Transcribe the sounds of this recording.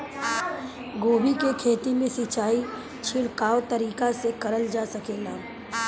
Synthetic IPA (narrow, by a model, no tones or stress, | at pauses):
ɡoːbikekʰeːt̪imẽsɪt͡ʃaːi | t͡ʃʰɪɽkaːot̪ɐɾiːkasekɐɾəld͡ʒaːsɐkeːŋɡaː